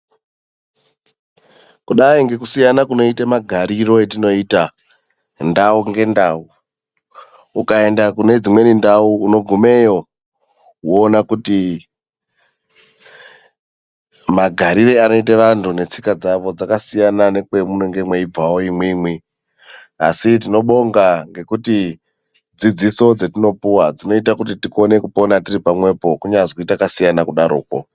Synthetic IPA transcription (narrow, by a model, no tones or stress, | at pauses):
kuɗaiŋɡe̞kusijanakuno̞itamaɡʱaɾiɾo̞etino̞ita | ndauŋɡe̞ndau | ukae̞ndakune̞d͡zimwe̞nindauːno̞ɡʱume̞jo̞ | ɦwoːnakuti | maɡʱaɾireano̞it̬eʋantune̞t͡sikad͡zaʋo̞d͡zakasijanane̞kwe̞muneŋɡe̞mweib͡vawoimwimwi | a̰sit̬ino̞ɓo̞ŋɡaŋɡe̞kuti | d͡zid͡ziso̞d͡zetino̞puwad͡zino̞itakutitiko̞ne̞kuponatiripamwe̞po̞kuɲazkoitakasijanakuɗaɾṵːko̞̰